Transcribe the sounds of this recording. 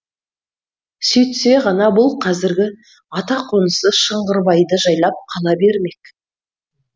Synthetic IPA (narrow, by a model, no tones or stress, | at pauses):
sʏjt̪se̞ʁɑnɑbʊlˠqʰɑzɪɾɡʲɪ | ɑt̪ɑqʰonəsəʃəɴʁəɾbɑjd̪əʒɑjlˠɑp̚qʰɑlˠɑbe̞ɾme̞k